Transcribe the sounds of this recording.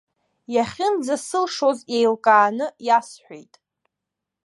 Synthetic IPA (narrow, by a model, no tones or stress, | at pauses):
jaχʲɪnd͡zasɨlʂozjejlkʼaːnɨjasħʷᶣḛjtʼ